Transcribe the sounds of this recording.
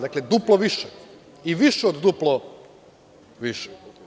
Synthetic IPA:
d̪akled̪uplˠoʋiʃe | iʋiʃeod̪d̪uplˠo | ʋiʃe̥

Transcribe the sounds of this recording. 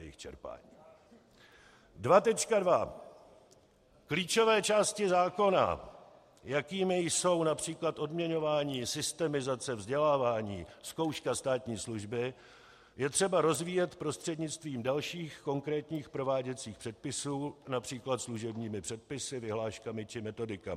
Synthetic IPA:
jɛjɪ̰xt͡ʃɛ̰ɾpa̰ːɲiː | dvat̪ɛt͡ʃkadva | kliːt͡ʃo̞vɛːt͡ʃaːscɪzaːko̞na̰ | jakiːmɪjso̞wnapr̝̥iːklat̪ʔo̞dmɲɛɲo̞vaːɲiːsɪst̪ɛmɪzat͡sɛvzɟɛlaːvaːɲiːsko̞wʃkast̪aːt̪ɲiːsluʒbɪ | jɛt̪r̝̥ɛbaɾo̞zviːjɛt̪pɾo̞st̪r̝̥ɛdɲɪt͡st̪viːmdalʃiːxko̞ŋkɾɛːt̪ɲiːxpɾo̞vaːɟɛt͡siːxpr̥ɛt̪̚pɪsuːnapr̥iːklat̪sluʒɛbɲiːmɪpr̥ɛt̪̚pɪsɪvɪɦlaːʃkamɪt͡ʃɪmɛt̪o̞dɪkamɪ

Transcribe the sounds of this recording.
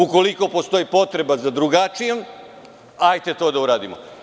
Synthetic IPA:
uko̞liko̞po̞st̪o̞jipo̞t̪ɾe̞bazad̪ɾuɡat͡ʃijem | ajt̪e̞t̪o̞ːd̪auɾaːd̪imo̰

